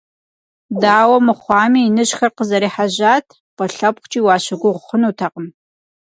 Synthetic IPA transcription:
daːwɐmɨχʷɑːmiːnɨɕxɐrqəzɐɾiːħaʑaːtʰ | pɐɬɐp̚χʷt͡ʃʼiːwɑːɕɐɡʷʊʁʷʊχənuːtʰɐqəm

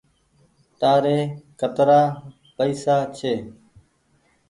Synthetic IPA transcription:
ʈ̪aːɾeːkət̪ɾaː | pəiːsaːt͡ʃʰeː

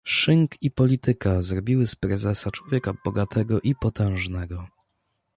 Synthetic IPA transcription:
ʂɘŋkipɔlʲit̪ɘkazɾɔbʲiwɘspɾɛzɛsat͡ʂwɔvʲjɛkabɔɡat̪ʰɛɡɔʔipɔt̪ɛ̃w̃ʐnɛɡɔ

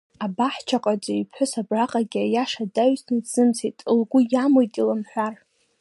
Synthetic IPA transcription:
abaħt͡ʃʰaqʼad͡ʒʼaipʰħʷʊsabraqʼaɡʲajaʂadaɥsniz̥ɨmsitʼɨlɡʷʊjamojtʼilamħʷᶣar

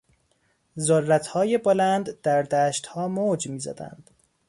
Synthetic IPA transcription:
zorːæt̪hɒːjebolænd̪d̪̥æɾd̪æːʃt̪hɒːmoːd͡ʒmiːzæ̰d̪æ̰nd̪̥

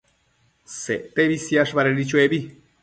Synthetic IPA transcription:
seʔt̪eβisjaʂβaɾeɾit͡ʃueβi

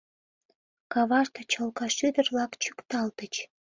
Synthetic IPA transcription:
kɑβɑʃt̪ət͡ɕəlkɑʃyd̪ərlɑkt͡ɕykt̪ɑlt̪ət͡ɕ

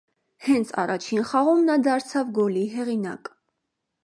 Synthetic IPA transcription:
hɛnt͡sʰɑ̰rɑt͡ʃʰinχɑʁumnɑd̪ɑɾt͡sʰɑvɡɔliɦɛʁinɑ̰k

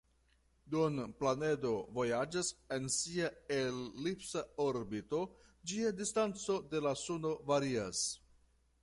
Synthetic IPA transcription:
dunplane̞do̞vo̞jad͡ʒase̞nsiaelːipsaoɾbito̞d͡ʒiadistant͡so̞de̞lasuno̞vaɾias

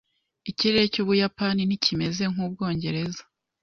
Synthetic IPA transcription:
iciɾe̞ɾecuːβujapaninicʰime̞ze̞ŋ̥uːb̚ɡo̞ːɲɟe̞ɾe̞za

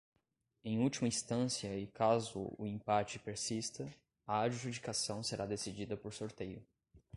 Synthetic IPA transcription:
ẽj̃uwt͡ʃimɐĩst̪ɐ̃siɐɪkazʊ̰ʊ̰ẽpat͡ʃɪpeɾsist̪ɐ | ɐaɾʒud͡ʒikasɐ̃w̃seɾʔad̪esid͡ʒid̪ɐpoɾsoɾt̪ejʊ

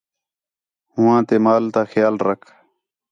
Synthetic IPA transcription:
hʊwãːt̪eːmaːlt̪aːxjaːlɾəkʰ

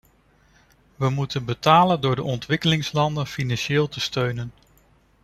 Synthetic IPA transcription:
ʋəmutənbətaːləndʊːɹdəʔɔntʋɪkəlɪŋslɑndənfinɑnʃɪːlˠtəstøɥnən

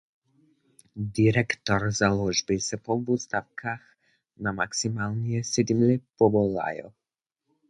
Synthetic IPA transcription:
d̪iɾɛkt̪ɔɾzalˠɔʒbisɛpɔvust̪afkʰax | namaksimalˠnijɛsɛd̪imlɛpɔbɔla̰jɔ̰

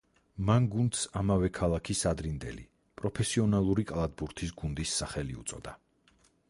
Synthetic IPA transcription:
manɡund̪samavɛkʰalˠakʰisad̪ɾind̪ɛ̰lḭ | pʼɾɔpʰɛsiɔnalˠuɾikʼalˠad̪̚buɾt̪ʰis̬ɡund̪isːaχɛliṵt̪sʼɔd̪a

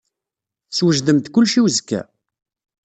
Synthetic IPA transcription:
swəʒd̪əmt̪kʊlːʃiwzkːæ̰

